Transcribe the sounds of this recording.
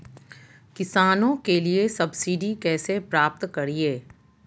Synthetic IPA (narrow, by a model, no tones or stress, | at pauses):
kɪsaːnõkeliesɐbsiːɖikɛːsepɾaːp̚t̪kɐɾieː